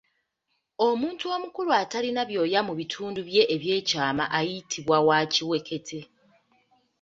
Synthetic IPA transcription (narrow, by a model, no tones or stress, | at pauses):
o̞muːntuo̞mukuluatalinaβjo̞ːjamuβitʰuːnduβje̞ʔeβje̞ːcaːma̰ʔajitʰiβwawaciwe̞ke̞tʰe̞